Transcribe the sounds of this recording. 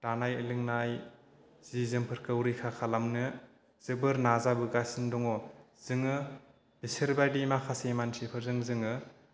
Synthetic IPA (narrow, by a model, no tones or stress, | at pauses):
tanajɯlɯŋnaj | z̥izɯmpʰɯɾkɯwɾikʰakʰalamnɯ | z̥ɯbɯɾnazabɯɡasindɔŋɔ | z̥ɯŋɯ | iseɾbajdimakʰasemansipʰɯɾzɯŋzɯŋɯ